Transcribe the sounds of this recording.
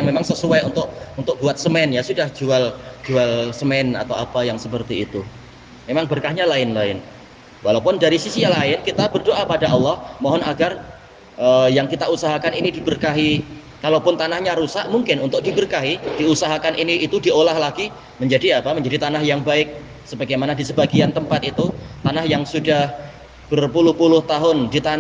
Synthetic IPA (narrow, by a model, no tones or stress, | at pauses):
jaŋmemaŋsəsuajunt̪ʊk̚unt̪ʊk̚buat̪̚səmɛnjasudahd͡ʒuald͡ʒualsəmɛna̰t̪awapajaŋsəpərt̪iːt̪u | memaŋbərkahɲalaɪnlaɪn | walawpʊndaɾisisijaŋlaɪnkit̪abərdoʔapadaʔɑlːɔhmɔɦɔnaɡar | ʔəjaŋkit̪ausaɦakaninidibərkaɦi | kalawpʊnt̪anahɲaɾusaʔmuŋkɪnunt̪ʊk̚dibərkaɦid̥iusaɦakanʔiniːt̪udiolahlaɡi | məɲd͡ʒadiapaməɲd͡ʒadit̪anahjaŋbaɪk̚ | səbaɡajmanadisəbaɡiant̪əmpat̪̚it̪ut̪anahjaŋsudah | b̥ərpulʊhpulʊht̪aɦʊndit̪an